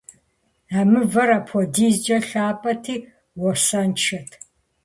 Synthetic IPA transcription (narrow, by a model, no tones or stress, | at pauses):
amɨvɐɾapʰɔdiːzd͡ʒʼɐɬaːpʼɐtʰiː | wɔrsant͡ʃʰɐtʰ